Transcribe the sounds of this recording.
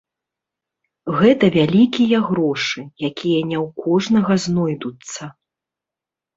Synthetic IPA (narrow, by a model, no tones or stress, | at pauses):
ɣɛt̪ɐvʲalʲikʲijɐɣɾɔʂɨjakʲijɐnʲɛwkʰɔʐnɐɣɐznɔjd̪ut̪sːɐ